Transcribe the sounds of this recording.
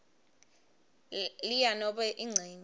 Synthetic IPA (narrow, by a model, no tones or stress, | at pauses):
lijanɔɓɛʔiŋ͡ǀʱeːɲ